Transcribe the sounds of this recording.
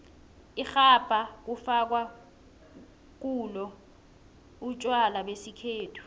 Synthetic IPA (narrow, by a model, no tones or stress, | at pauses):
ixab̥ʼʱak̬ufak̬wa | k̬ulɔ | ut͡ʃʼwalaɓesikʰeːtʰu̥